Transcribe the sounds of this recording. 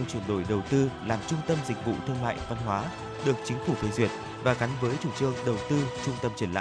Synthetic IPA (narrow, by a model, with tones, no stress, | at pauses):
ɛ˧wt͡ɕwə˧˩nɗo˧˩jɗə˨˩wt̪ɨ˧laː˨˩mt͡ɕʊ˧ŋ͡mt̪ə˧mzï˨˩k̟̚vṵ˧˨t̪ʰɨ˧əŋma̰ː˧˨jva˧nɦwaː˨˦ | ɗɨ˨˩ək̚t͡ɕï˨˦ŋ̟fu˧˩t̪ʰi˧˩jzwi˧˩ət̚ | vaː˨˩ɣa˨˦ŋvəː˨˦jt͡ɕu˧˩t͡ɕɨ˧əŋɗə˨˩wt̪ɨ˧t͡ɕʊ˧ŋ͡mt̪ə˧mt͡ɕə˧˩nla̰ː˧˨